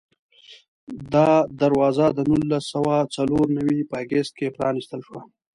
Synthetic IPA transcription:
d̪ɑd̪aɾwɑːzad̪ənulːasːəwat͡saloɾnawipəɡest̪̚kepɾɑnist̪əlʃwa

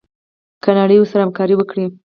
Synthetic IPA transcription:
kənaɽəjwoɾsaɾahamkɑɾiwəkɽi

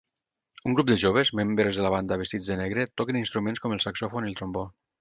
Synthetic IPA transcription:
uŋɡɾup̚d̪əʒoβezmembɾezðəlaβ̞and̪aβest̪id͡zðəneɣɾet̪ɔkəninst̪ɾumẽnskɔməlˠsaksofonilˠt̪ɾombo

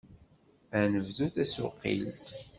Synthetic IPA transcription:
ænəvðuθæsʊ̰qːḭlt̪

